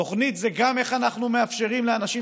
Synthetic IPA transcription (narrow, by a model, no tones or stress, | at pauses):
o̞χnit̪zeɡame̞χanaχnumeafʃe̞ʁimleanaʃi